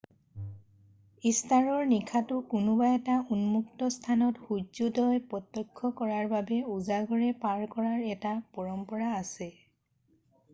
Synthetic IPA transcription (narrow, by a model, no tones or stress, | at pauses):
istaɹɔɹnikʰatʊkunʊbaɛtaunmuktɔstʰanɔtxuzudɔjpɔtːɔkʰːɔkɔɹaɹbabɛuzaɡʱɔɹɛpaɹkɔɹaɹɛtapɔɹɔmpɔɹaːsɛ